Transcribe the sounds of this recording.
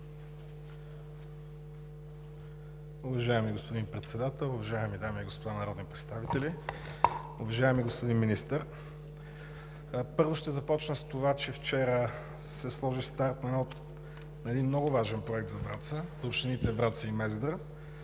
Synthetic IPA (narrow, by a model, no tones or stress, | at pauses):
ʊvɐʒaɛmiɡospod̪inpɾɛt̪sɛd̪at̪ɛlˠʊvɐʒaɛmid̪amiɡospod̪anɐɾɔd̪nipɾɛt̪st̪avit̪ɛli | ʊvɐʒaɛmiɡospod̪inminist̪əɾ | pɤɾvoʃt̪ɛzɐpɔt͡ʃnəst̪ovat͡ʃɛft͡ʃɛɾə | sɛslˠɔʒist̪aɾt̪nɐnɔt̪ | nɐɛd̪inmnɔɡʊvaʒɛnpɾoɛk̚t̪zɐvɾat̪səzopʃt̪init̪ɛvɾat̪səimɛzd̪ə